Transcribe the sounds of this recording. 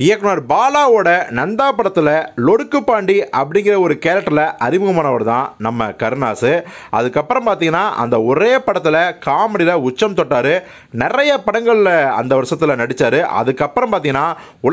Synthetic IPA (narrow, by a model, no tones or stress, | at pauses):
ɪjɐkːɐnaːɾbaːlaːoːɽɐnɐnd̪aːpɐɽɐt̪ːɯlɐlɔɽɯkːɯpːaːɳɖiʔɐpːɐɽɪŋɡɪɾɐɔɾɯkeːlɐʈːlɐʔɐɾɪmɯɣɐmaːnɐʋɐɾɯt̪ã̰ːnɐmːɐ̰kɐɾɯnaːsɯ | ʔɐ̰ðɯkːɐpːɯɾɐmpaːɾt̪iːŋɡɐnːaːʔɐ̰nd̪ɐɔɾeːpɐɽɐt̪ːɯlɐkaːmɐɽɪlɐʊt͡ʃːɐmt̪ɔʈːaːɾɯ | nɪrɐjɐpɐɽɐŋɡɐɭɪlɐɐ̰nd̪ɐʋɐɾʂɐt̪ːɯlɐnɐɽɪt͡ʃːaːɾɯʔɐ̰ðɯkːɐpːɐɾɐmpaːɾiːŋɡɐnːaː | ʊ